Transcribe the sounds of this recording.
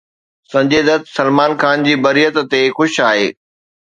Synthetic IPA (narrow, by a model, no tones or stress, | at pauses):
sɐ̃ɲd͡ʑeːd̪ət̪sɐlmaːnxaːnd͡ʑiːbɐɾijət̪t̪exʊʃaːɦeː